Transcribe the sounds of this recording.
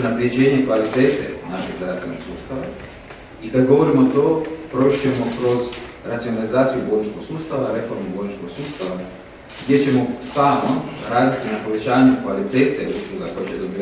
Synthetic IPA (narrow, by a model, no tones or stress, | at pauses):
napɾije̞d͡ʑe̞ːɲekʋalit̪e̞ːt̪ḛnaʃeɡzɾaːfst̪ʋe̞no̰̥suːst̪aʋa | ikad̪ɡo̞ʋo̞ɾimot̪opɾo̞iʃe̞mo̞kɾo̞z | ɾat̪sionalizaːt̪sijubod̪nit͡ʃko̞ɡsuːst̪aʋaɾe̞fo̞ɾmubod̪nit͡ʃkoɡsuːst̪aʋa | ɡd̪je̞t͡ɕe̞mo̞st̪alnoɾaːd̪it̪inapo̞ʋe̞t͡ɕaːɲukʋalit̪eːt̪eusɾuɡako̞jet͡ɕed̪obi